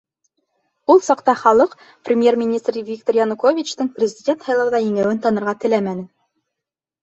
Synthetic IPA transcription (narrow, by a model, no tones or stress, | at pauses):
ulˠsɑqt̪ɑχɑlˠɤq | prʲɪmʲje̞rmʲinʲist̪rvʲik̚t̪orjɑnukovʲit͡ɕt̪ɤɴprʲɪzʲɪdʲent̪hɑjlˠɑwðɑjɘ̆ŋæwɘnt̪ɑnɤ̆ɾʁɑt̪ɘ̆læmænɘ